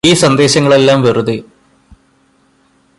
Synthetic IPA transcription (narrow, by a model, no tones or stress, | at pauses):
iːsɐnd̪e̞ːɕɐŋːɐɭe̞lːaːmʋeruðɨ